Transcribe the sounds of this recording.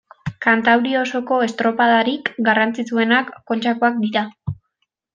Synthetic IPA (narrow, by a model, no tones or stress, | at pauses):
kant̪awɾioso̞ko̞e̞st̪ɾo̞pað̞aɾikɡarant͡sit͡sue̞nakːo̞nt͡ʃako̞ak̚d̪iɾa